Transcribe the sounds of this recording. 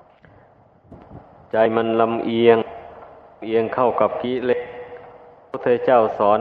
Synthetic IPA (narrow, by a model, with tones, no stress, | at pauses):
t͡ɕa˧jma˧nla˧mʔi˧əŋ˧ | mʔi˧əŋkʰa˥˩wka˧˩p̚ki˦˥le˦˥k̚ | pʰu˥˩t̪ʰːa˧jt͡ɕa˥˩wsɔː˩˦n